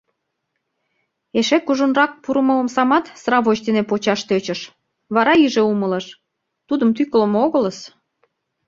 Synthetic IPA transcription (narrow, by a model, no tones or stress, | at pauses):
eʃekuʒunrɑk̚puɾəmələmsɑmɑt̪srɑβot͡ɕd̪enepot͡ɕɑʃt̪øt͡ɕə̆ʃ | βɑɾɑiʒeumələ̆ʃ | t̪ud̪əmt̪ykələ̆moɣələs